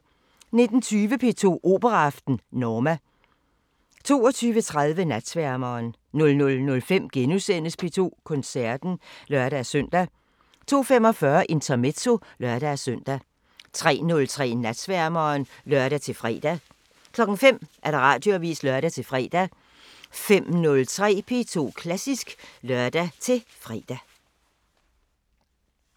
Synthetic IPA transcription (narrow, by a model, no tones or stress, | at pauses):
ne̝d̥n̩t͡sʰyːʋəpʰe̝ːt͡sʰo̝̰ːʔo̝̰ːb̥əʁɑɑ̈fd̥n̩nɒːmæ | t͡sʰo̝̰ːɒt͡sʰyːʋət͡sʰʁaðˠʋənæd̥sʋæɐ̰mɐːnː | ɔ̽lnɔ̽lnɔ̽lfem̰ɡ̥enusen̰əspʰe̝t͡sʰo̝̰ːkʰɔ̽nsæɐd̥n̩lɶɐɾæsœn̰d̥æ | t͡sʰo̝̰ːfem̰ɒ̽fɶɐʔe̝nt͡sʰɐme̝̥t͡sʰo̝lɶɐd̥æsøn̰d̥æ | t͡sʰʁɛ̰ːnɔ̽lt͡sʰʁɛ̰ːnæd̥sʋæɐmɐːnlɶɐɾ̥æt͡sʰe̝lfʁɛ̰ːd̥æ | kʰlɒ̽ɡ̥ŋ̩fem̰ʔæɐɾ̥ɑ̈ʁɑ̰̈ːd̥joɐʋḭːslœɐɾ̥æt͡sʰe̝lfʁɛ̰ːd̥æ | fem̰nɔ̽lt͡sʰʁɛ̰ːpʰe̝t͡sʰo̝̰ːkʰlæsisɡ̥lœɐ̰d̥æt͡sʰe̝lfʁɛːd̥æ